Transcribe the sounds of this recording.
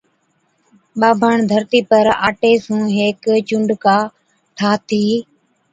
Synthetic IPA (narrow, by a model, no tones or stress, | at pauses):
ɓaːbʱəɳd̪ʱəɾt̪iːpəɾaːʈeːsũːɦeːkt͡ʃʊ̃ɳɖkaː | ʈʰaːt̪ʰiː